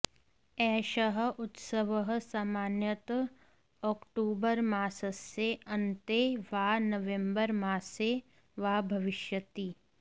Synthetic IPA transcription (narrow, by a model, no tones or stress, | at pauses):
ɛːʃəɦ̆ʊt̪səʋəɦsaːmaːnjət̪ | ɔːkʈuːbəɾmaːsəseɐ̃nt̪eʋaːnɐʋẽmbəɾmaːse | ʋaːbʱɐʋɪʃjət̪iː